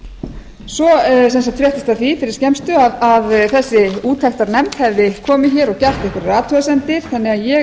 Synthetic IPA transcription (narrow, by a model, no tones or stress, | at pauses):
sɔs̬ɛns̬at̪fɾjɛht̪ɪst̪aðθifɪɾɪɾ̥scɛmst̪ʏaðaðθɛsːɪuːt̪ʰɛxt̪aɾnɛmt̪hɛvðɪkʰɔːmɪçɛːɾɔɣcar̥t̪ɪɛhkvʏɾraːt̪ʰœːasɛnt̪ɪɾ̥θanːɪɣaðjɛ